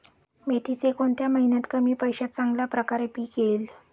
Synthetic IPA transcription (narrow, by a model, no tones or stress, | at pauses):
met̪it͡sekoɳt̪jaməɦinat̪kəmiːpəjɕat̪̚t͡sãŋɡljapɾəkaɾepiːkel